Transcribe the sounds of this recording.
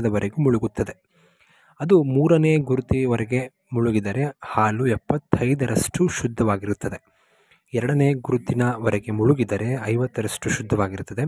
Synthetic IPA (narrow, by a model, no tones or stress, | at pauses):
d̪ɐʋɐɾeɡumuɭuɡut̪ːɐd̪e̞ | ɐd̪umuːɾɐne̞ːɡuɾut̪iʋɐɾɛɡe̞ | muɭuɡid̪ɐɾe̞haːluɛpːɐt̪ʰːɐjd̪ɐɾɐʂʈuʃud̪ʱːɐʋaːɡiɾut̪ːɐd̪e̞ | ɛɾɐɽɐne̞ːɡuɾut̪inɐʋɐɾɛɡe̞muɭuɡid̪ɐɾe̞ɐjʋɐt̪ːɐɾɐʂʈuʃud̪ʱːɐʋaːɡiɾut̪ːɐd̪e̞